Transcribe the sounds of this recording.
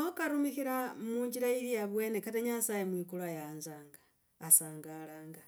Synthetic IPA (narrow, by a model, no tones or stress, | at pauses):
okaɾumixiɾamuːɲd͡ʒiɾailiaβwe̞ːnekateɲasajemwikuluajaːnzaːŋɡaː | saːŋɡalaːŋɡa